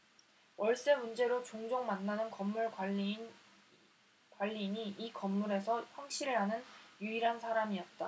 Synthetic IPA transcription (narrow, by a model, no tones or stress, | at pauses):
wʌɭs͈e̞mund͡ʑe̞ɾot͡ɕoŋd͡ʑoŋmanːanɯnkʌmːuɭ | kwaʎːiɲiʔikʌmːuɾe̞sʰʌɸwaŋɕʰiɾɯɭɦanɯnjuiɾɦansʰaɾamiʌt̚t͈a